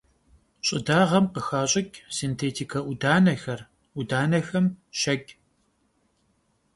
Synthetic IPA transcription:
ɕʼɪdaːʁɐmqəxaːɕʼɪkʲʼsintʰeːtʰikʰɐʔʊdaːnɐxɐr | ʔʊdaːnɐxɐmʃɐkʲʼ

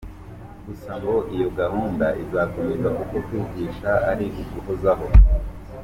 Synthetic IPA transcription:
ɡ̥usaŋɡo̞ʔijo̞ɡahuːndaʔizakumezakukokwiːɡiːʃaaɾiʔuzuhozaɦo̞

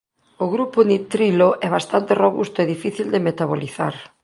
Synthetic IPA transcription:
ʊɣɾupʊnit̪ɾiloʔɛβ̞ast̪ant̪eroβṵst̪ʊeðifiθild̪emet̪aβoliθa̰ɾ

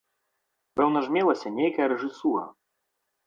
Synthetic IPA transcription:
pɛwnɐʐmʲɛlˠɐsʲɐnʲejkɐjɐɾɛʐɨsuɾɐ̰

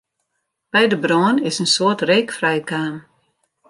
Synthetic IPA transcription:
b̥ɛjdəbroənɪsənsoətreːkfrɛjkaːm

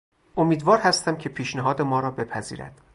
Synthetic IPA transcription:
ʔomiːd̪vɒːɾhæst̪æmcʰe̞pʰiːʃneɦɒːd̪e̞mɒːɾɒːbe̞pʰæzḭːɾæ̰d̪̥

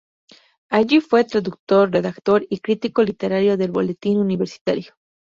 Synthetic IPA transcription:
aʝifwe̞t̪ɾaðuk̚t̪o̞ɾre̞ðakt̪o̞ɾikɾit̪iko̞lit̪e̞ɾaɾjo̞ðe̞lβo̞̰le̞t̪inuniβe̞ɾsi̥t̪aɾjo̥

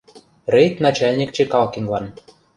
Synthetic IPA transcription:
rejt̪nɑt͡ɕælʲnʲik̚t͡ɕekɑlkiŋlɑn

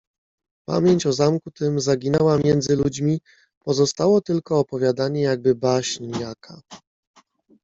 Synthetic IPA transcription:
pa̰mʲjeɲt͡ɕɔzamkut̪ɘmzaɡʲinɛwamʲjɛnd̪zɘlud͡ʑmʲi | pɔzɔst̪awɔt̪ɘlkɔːpɔvʲjad̪aɲɛjaɡ̚bɘbaɕɲjakʰa

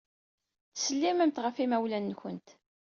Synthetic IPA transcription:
θsəlːimæmt̪ʁəfimæwlænːçənt̪

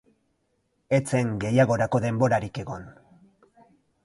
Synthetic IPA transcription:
e̞t͡se̞ŋɡe̞jaɣ̞o̞ɾako̞ðe̞mbo̞ɾaɾike̞ɣo̞n

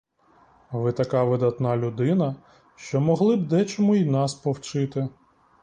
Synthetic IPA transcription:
ʋɪt̪ɐkɑʋɪd̪ɐt̪nɑlʲʊd̪ɪnɐ | ʃt͡ʃɔmɔɦlˠɪb̚d̪ɛt͡ʃɔmuinɑspɔwt͡ʃɪt̪ɪ

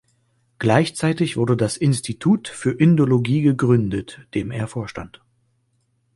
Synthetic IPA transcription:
ɡ̥laɪçt͡saɪtɪçv̥ʊɐdədasʔɪnstʰitʰuːtfyːɐʔɪndoloɡiːɡəɡʁʏndətd̥eːmḛːɐfoːɐʃta̰nt

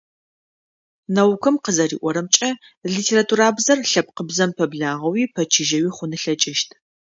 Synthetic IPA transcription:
nɐwkʷʰɨmqəzɐrḭːʔʷɔɾɐmt͡ʃʼɐ | ɮitʰeːɾatʰuːɾaːbzɐrɬɐp̚qəbzɐmpʰɐbɮaːʁɐwiːpʰɐt͡ʃʰiʒɐwiːχʷʊnɨɬɐt͡ʃʼɪʃtʰ

